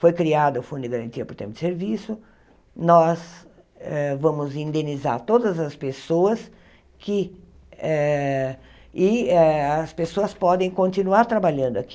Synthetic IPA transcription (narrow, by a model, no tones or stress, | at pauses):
fojkɾiad̪ʊʊfũd̪ʊd̪ɪɡaɾɐ̃nt̪iɐpʊɾt̪ẽmɐʊd̪ɪ̥seɾvisʊ | nɔz | ɛvɐ̃mʊzĩnd̪ẽniza̰ɾt̪od̪ɐzɐspesoɐs | kɪ | ɛ | ɪɛɐspesoɐspɔd̪ẽj̃kõnt̪inuaɾt̪ɾabaʎɐ̃nd̪ʊak